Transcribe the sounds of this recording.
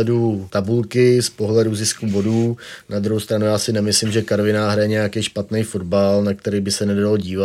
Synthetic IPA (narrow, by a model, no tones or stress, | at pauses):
ɛdut̪abulkɪspo̞ɦlɛduzɪskubo̞duːnad̪ɾuɦowst̪ɾanujaːsɪnɛmɪslɪmʒɛkaɾvɪnaɦɾajɛɲɛjakɛjʃpat̪nɛjfo̞dbalnak̚t̪ɛɾiːbɪsɛnɛddaloɟiːva